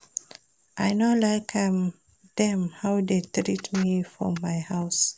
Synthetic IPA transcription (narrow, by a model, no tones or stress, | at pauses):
ʔajnolaɪkʰam | dɛ̃mhawdetɹitmifɹɔ̰̃mːajhaʊs